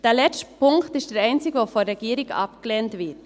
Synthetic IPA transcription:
d̥eːlɛt͡stəpʰʊŋktɪst̚d̥eːɾɛɪnt͡sɪɡəvoːfɔnɾɛɡiːɾɪkɑ̰pkəleːntvɪt

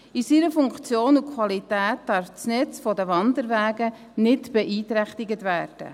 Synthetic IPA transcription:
isiɾəfʊŋkt͡sjoːnukʰʋɑlitæːt̚d̥ɑɾft͡snɛt͡sfɔdəʋɑnd̪əɾʋæːɡə | nɪtb̥ɛʔiːt̪ɾæχt̪ɪɡətʋæːɾd̥ə̰

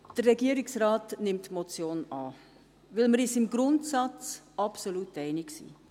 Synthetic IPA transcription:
d̥ərːɛɡiəɾɪksɾɑːtnɪmtmot͡sjoːnɑː | ʋɪlməɾiːsɪmɡɾʊntsɑt͡s | ɑpsoluːtɛɪnɪksḭː

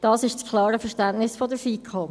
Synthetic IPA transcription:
d̥ɑːsɪʃt͡skʰlˠɑːɾəfəʃtænnɪsfɔdəɾfiːkʰɔ

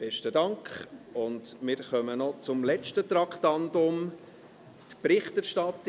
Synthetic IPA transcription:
b̥ɛʃtədɑŋkχʊndmɪːɾχœmənɔt͡sʊmlɛt͡ʃtət̪ɾɑkχtɑndʊm | t̪pɾɪχtɛɾʃtɑt̪ː

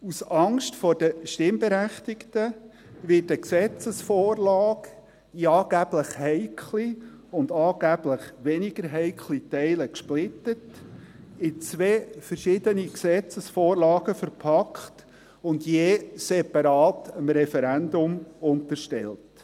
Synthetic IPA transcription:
usɑŋʃtfɔd̥əʃtɪmbeɾæχtɪktə | ʋɪtəksɛt͡səsfoːrlɑːɡ | iɑːɡ̥æb̥ləχhɛɪkʰχli | ʊndɑːɡ̥æb̥ləχʋɛnɪɡəɾɦɛɪkʰlitɛɪləkʃplɪtət | ɪt͡sʋeːfəɾʃɪdəniksɛt͡səsfoːrlɑːɡəfəɾpʰɑkχt | ʊndjeːsɛpɑɾɑːtəmɾɛfɛɾændʊmʊntəɾʃtɛ̰lt

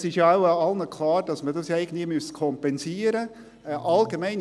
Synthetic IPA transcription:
sɪʃjɑaʊɑlnəkʰlɑːɾd̥ɑsmədɑsjɛɪɡən̩d̪imystkʰɔmpɛnsiːəɾə | ʔɑlɡemɛɪn

